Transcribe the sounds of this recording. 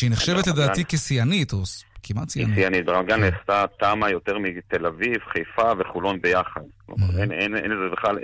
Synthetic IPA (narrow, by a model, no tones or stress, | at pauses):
ineχʃevet̪led̪aːtikesijanit̪oskimatsinsijanit̪beʁamɡanest̪at̪amajo̞t̪eʁmit̪elavivχejfaveχulonbejaχad̪klo̰ma̰ʁenenenlezebeχlal